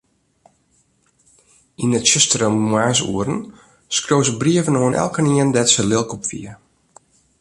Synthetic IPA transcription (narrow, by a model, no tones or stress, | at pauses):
inətt͡ʃɪstərəmwaːs̬ṵəɾən | skroːsəbriəvənoənʔɛ̰lˠkəniəndɛtsəlɪlˠkupfḭə